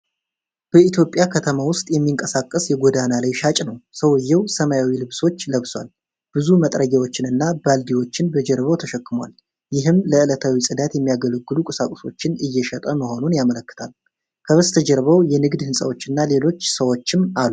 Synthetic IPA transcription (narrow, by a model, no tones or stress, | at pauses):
b̥əit̪ʰjo̞pʼjakʰət̪ʰəmawʊst̪ʼjɛmːiŋkʼəsakʼːəsjɛɡod̪analajʃat͡ʃʼnəwsəwɨjːɛwsəməjawilɨβso̞t͡ʃːləβswa̰l | b̥ɨzumət̪ʼɾəɡawo̞t͡ʃːɪnɨnːabald̪iwo̞t͡ʃːɪnbəd͡ʒɛɾβəwt̪ʰəʃəkːɨma̰l | jɪɦɨmləɨlət̪ʰawisʼɨd̪at̪jɛmːijaɡələɡɨlukʼɨsakʼʊso̞t͡ʃːɪnɨjːɛʃɛt̪ʼəməho̞nunjamələkːɨ̥t̪ʰal | kʰəβəst̪ʰəd͡ʒəɾβəwjɛnɨɡd̪hɨnsʼəwo̞t͡ʃːɨnːale̞lo̞t͡ʃːsəwo̞t͡ʃːɪmalːu